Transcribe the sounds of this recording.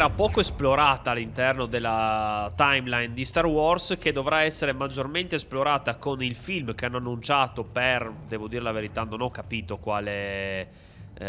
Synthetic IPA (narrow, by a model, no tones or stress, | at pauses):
ɛɾapɔːkoesploɾaːt̪aːlːint̪ɛrnod̪elːat̪ajmlajnd̪ist̪aɾwɔrsked̪ovɾaɛsːeɾemad͡ʒːorment̪eesploɾaːt̪akonilfilmkeanːoanːunt͡ʃaːt̪operd̪ɛvod̪iːɾelaveɾit̪anonɔkːapiːt̪okwaːle